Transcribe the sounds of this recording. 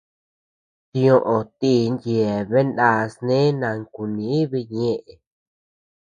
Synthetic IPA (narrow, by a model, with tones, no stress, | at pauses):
t̪ĩ˦˧˦õ˧ʔõ˧t̪i˦nd̪je˨βe˦nda˦snẽ˦nã˧ŋku˨nĩ˨˦i˦βi˧ɲẽ˦˧ʔe˨